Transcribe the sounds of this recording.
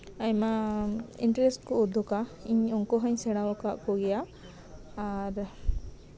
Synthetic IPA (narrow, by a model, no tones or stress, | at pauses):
aɲmaḭɳʈɾɛsʈkɔud̪ʱɔkaiɲɔŋkɔɦəɲsɛɽ̃awɔkaʔkɔɡɛjaː | ɾ